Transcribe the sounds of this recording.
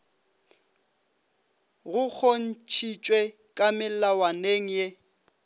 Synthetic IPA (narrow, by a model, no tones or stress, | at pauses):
ɣʊk͡xʰon̩t͡ʃʰit͡ʃʼwe | kʼamɪlawaneŋ̩je